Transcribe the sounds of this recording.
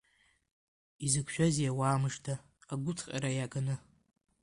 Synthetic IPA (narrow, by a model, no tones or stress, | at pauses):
izɨkʷʰʃᶣazijawaːmɨʂtʰaː | ɡʷʊt͡sʰʼqʲʼa̰ɾajakʰʼanɨ